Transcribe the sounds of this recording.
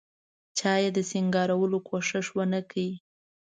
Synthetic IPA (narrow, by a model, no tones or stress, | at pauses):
t͡ʃɑjed̪əsɪŋɡɑɾawəlokʰoʂɪʂwənəkai